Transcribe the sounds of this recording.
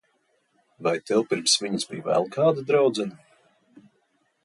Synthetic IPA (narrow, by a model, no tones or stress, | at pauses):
vajt̪ɛwpiɾmsviɲəzbḭjvɛ̰lˠkʰaːd̪ad̪ɾawd̪zɛn